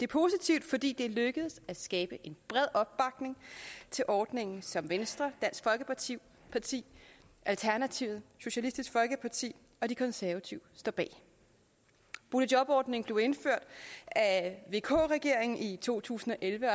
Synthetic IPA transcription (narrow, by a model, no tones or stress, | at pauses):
d̥e̝pʰo̝sit͡sʰiʊd̥fɒ̽d̥ḭːd̥e̝løɡ̥əð̞̩ˠsæsɡ̥ɛːb̥əʔe̝nb̥ʁɛð̰ˠɒ̽b̥ːɑ̈ɡ̥ne̝ŋt͡sʰe̝lʔɒːd̥ne̝ŋn̩sɒ̽mʋensd̥ʁɐd̥æn̰sɡ̥fɒ̽lɡ̥əpʰiʊ̰ | pʰɑ̈t͡sʰḭː | ʔælt͡sʰæɐnæt͡sʰiʊð̩ˠɕo̝ɕælisd̥isɡ̥fɒ̽lɡ̥əpʰɑ̈t͡sʰḭː | ɒ̽d̥ikʰɒ̽nsæɐʋæt͡sʰiʊsd̥ɒ̰ːb̥ɛ̰ː | b̥uləd̥ɒ̽b̥ɒːd̥ne̝ŋb̥le̝ʊe̝nføɐ̰d̥æʋe̝ːkʰɔ̰ːʁɛɡ̥e̝ɐ̰eŋn̩it͡sʰo̝̰ːt͡sʰṵːsn̩ɒ̽ʔelʋə